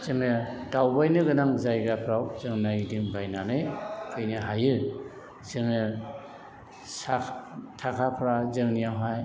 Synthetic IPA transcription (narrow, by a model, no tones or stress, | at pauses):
zɯŋɯ | dawbajnɯɡɯnaŋzajɡapʰɾawzɯŋnajdiŋbajnanɯjkʰɯjnɯɦajɯ | z̥ɯŋɯ | satʰakʰapʰɾazɯŋnijawɦaj